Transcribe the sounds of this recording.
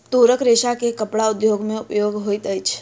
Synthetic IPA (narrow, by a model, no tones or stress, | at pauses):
t̪oɾəkɾeʃakekəpɽaʊd̪joɡmẽʊpjoɡɦojt̪əjt͡ʃʰ